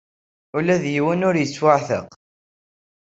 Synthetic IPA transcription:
ulæðjiwənʊɾjət͡sːwaʕθə̰q

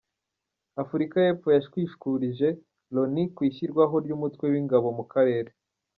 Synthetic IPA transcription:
afuɾikajeːfo̞jaʃkwiːʃu̥kuɾiʒe̞ | lo̞nikwiːçiɾɡwaɦo̞ɾɟumutwe̞wiŋɡaβo̞mukʰaɾe̞ːɾe̞

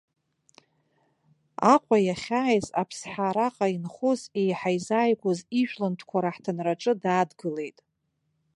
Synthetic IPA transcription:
aqʷʼajaχʲaːjza̰pʰsħaɾaqʼainχuze̞jħajzaːjkʷʰʼʊziʒᶣlɨntʰkʷʰaɾaħtʰanraʈ͡ʂʼɨdaːdɡɨle̞jtʼ

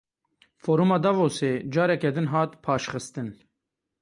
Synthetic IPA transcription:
foːɾumɑːd̪ɑvoːseːd͡ʒɑːɾɛkɛd̪ɨnɦɑːt̪pʰɑːʃxɨst̪ɨn

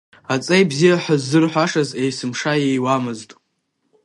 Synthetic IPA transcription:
at͡sʼejbzijaħazːɨrħʷaʂazejsɨmʂaejwamɨztʼ

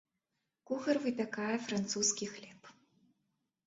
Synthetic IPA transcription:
kuxɐrvɨpʲakajɛfɾant̪suskʲixlʲɛp

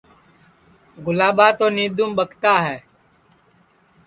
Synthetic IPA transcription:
ɡʊlaːɓaːt̪oːniːd̪uːmɓəkʰt̪aːɦɛː

